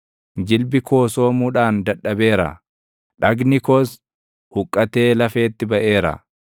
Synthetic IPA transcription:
d͡ʒɪlbɪkʰo̞ːso̞ːmuːᶑaːnd̪ɐᶑːɐbe̞ːɾɐ̰ | ᶑɐɡnɪkɔs | hʊkʼːɐt̪e̞ːlɐfe̞ːt̪ːɪbɐʔe̞ːɾɐ̰

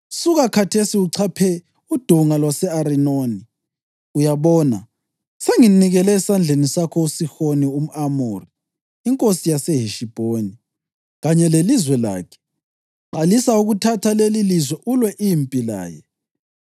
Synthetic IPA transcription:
usuɣakʰatʰesiuǀʰapʰɛ | ud̥ʱuŋalwasɛaɾinoːni | ujaβɔːna̰ | seŋiniɣɛlɛːsand͡ɮʱenisakʰɔusixonium̩amuːriː | ŋkʼosijaseɦiʃib̥ʱoːni | ɣaɲɛlelizwɛla̰ːkʰɛ̥ | ǃalisauɣutʰatʰalelilizwɛʔulwɛʔimpʼila̰ːjɛ̰

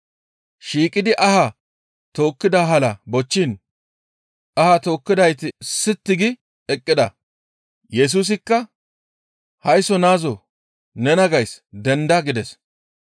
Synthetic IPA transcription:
ʃiːkʼɪd̪ɪʔɐha | t̪o̞ːkːɪd̪aɦɐlɐbɔt͡ʃːin | ɐhat̪o̞ːkːɪd̪ɐjt̪ɪsɪt̪ːɪɡɪ | ɛkʼːɪd̪ɐ̰ | jɛs̬uːs̬ɪkːɐ | hɐjsɔnaːzɔ | nɛnɐɡɐjsd̪ɛnd̪aɡɪd̪ɛs

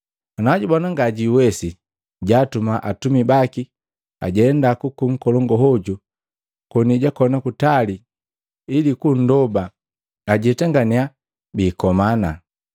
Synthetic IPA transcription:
anaɟubanaŋɡaɟiwɛsi | ɟatumaʔatumibaki | a̰ɟɛndakukuŋ̩kɔlɔŋɡɔɦɔɟu | kɔniɟakɔnakutali | ilikun̩dɔba | aɟitaŋɡania | biːkɔmana

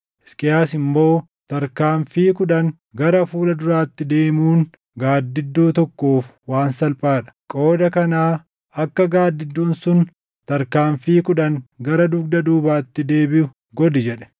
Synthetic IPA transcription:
ɪskʼɪjaːsɪmːo̞ː | t̪ɐɾkaːɱfiːkʊᶑɐŋ | ɡɐɾɐfuːlɐd̪ʊɾaːt̪ːɪd̪e̞ːmuːŋ | ɡaːd̪ːɪd̪ːuːt̪ɔkːoːf | waːnsɐlpʼaːᶑɐ̥kʼo̞ːd̪ɐkɐnaː | ɐkːɐɡaːd̪ːɪd̪ːuːnsʊn | t̪ɐɾkaːɱfiːkʊᶑɐŋɡɐɾɐd̪ʊɡ̚d̪ɐd̪uːbaːt̪ːɪd̪e̞ːbɪʊ | ɡɔd̪ɪd͡ʒɛᶑɛ̥

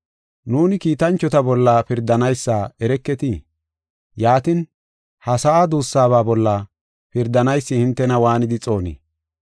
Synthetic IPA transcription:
nuːnɪkiːt̪ɐnt͡ʃːɔt̪ɐbɔlːɐpɪɾd̪ɐnɐjsːaːɛɾɛkːɛt̪i | jaːt̪ɪn | hɐsɐʔad̪uːsːaːβaːbɔlːɐ | pɪɾd̪ɐnɐjsːɪhɪnt̪ːɛnɐwaːnɪd̪ɪt͡sʼo̞ːnḭː

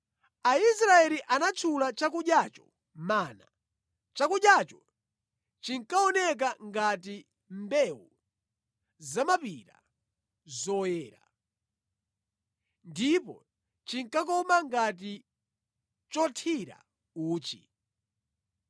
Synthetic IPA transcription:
aisɾaɛliʔanat͡ʃʰulat͡ʃak̬uɗjat͡ʃɔ̥ | maːna | t͡ʃakuɗjat͡ʃɔ | t͡ʃiŋkaɔnɛk̬aŋɡat̬i | mbɛwṵ | zamapiɾa̰ | zɔjɛːɾa̰ | ndipɔ̰ | t͡ʃiŋkakɔmaŋɡat̬i | t͡ʃɔtʰiɾa̰ | uːt͡ʃḭ

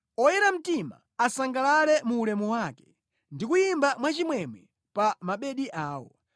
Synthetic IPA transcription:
ɔjɛɾam̩tima̰ | asaŋɡalalɛmuːlɛmuwakɛ̥ | ndikujimbamwat͡ʃimwɛmɛ | pamaɓɛɗiʔaːwɔ̰

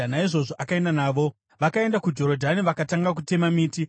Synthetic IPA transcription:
naiʐo̞ʐo̞ʔakae̞ndanaːʋo̞ | ʋakae̞ndakud͡ʒo̞ɾo̞dʱaniʋakataŋɡak̬ute̞mamiːti

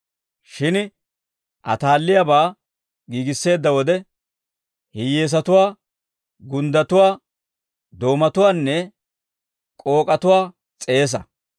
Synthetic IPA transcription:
ʃɪn | ʔɐ̰t̪aːlːɪjabaː | ɡiːɡɪsːe̞ːd̪ːɐwɔd̪ɛ | hɪjːe̞ːs̬ɐt̪ʊwaː | ɡʊnd̪ɐt̪ʊwaː | d̪o̞ːmɐt̪ʊwaːnːɛ | kʼo̞ːkʼɐt̪ʊwaː | t͡sʼeːs̬ɐ̰

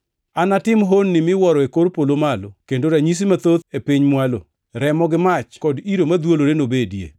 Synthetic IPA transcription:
anatɪmɦonːɪmɪwɔɾɔekoɾpolomalokendoɾaɲis̬imat̪ot̪epiɲmwalo̰ | ɾɛmɔɡɪmat͡ʃkɔdiɾomad̪woloɾenobedjḛ

